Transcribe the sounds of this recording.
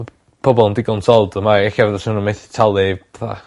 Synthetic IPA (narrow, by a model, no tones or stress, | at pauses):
pʰɔbɔlˠndɪɡɔnsʰɔlˠdəmaɛxavɛðɔsɪnəmeθtʰalˠɪb̥ɛθa̰